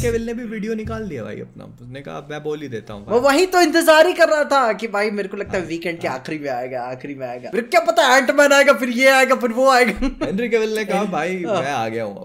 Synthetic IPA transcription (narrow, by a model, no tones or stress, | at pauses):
keʋɪlnebʱiʋiːɖijonɪkaːld̪iabʱa̰ːḭɐ̰p̚na̰ʊsnekɐ̰ɦa̰mɛ̃ːboːlid̪ḛːt̪a̰ɦũbɐʋɐɦit̪oɪ̃nt̪ɪzaːɾikɐɾːaɦat̪ʰakibʱaːimeːɾekolɐɡ̚t̪aɦɛʋiːkɛ̃ːɳɖ̚kea̰ːxɾimẽaːeɡaaːxɾimẽa̰ːeːmɡa̰ːmeːɾkokjaːpɐt̪aɛɛːʈmɛ̃naːeɡafɪɾjeaːeɡaːfɪɾʋoaːeɡaːɛ̃ɳɖɾikeʋɪlnekɐɦabʱaːimɛ̃a̰ːɡɐja̰o̰